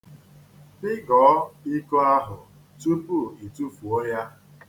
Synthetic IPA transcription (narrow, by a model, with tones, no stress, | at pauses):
bɪ˦ɡɔː˨˦i˦ko˦a˦ɦʊ˨ | tu˦pu˦˨i˨tu˦fu˨o˦ja˦